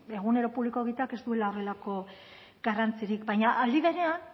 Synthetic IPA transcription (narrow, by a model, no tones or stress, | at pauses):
e̞ɣune̞ɾo̞puβliko̞ɣit̪ake̞st̪ue̞lao̞re̞lako̞ | ɡarant͡siɾikbajɲaʔald̪iβ̞e̞ɾe̞an